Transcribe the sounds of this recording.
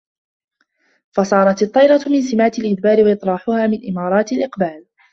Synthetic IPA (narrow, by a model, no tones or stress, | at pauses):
fɑsˤɑːɾˤɑt̪ɑt̪ˤːɑjɾˤɑmɪnsɪmaːt̪ɪlʔɪd̪baːɾɪwɑʔɨt̪ˤɾˤɑːħʊhaːmɪnʔɪmɑːɾˤɑːt̪alʔɪqbaːl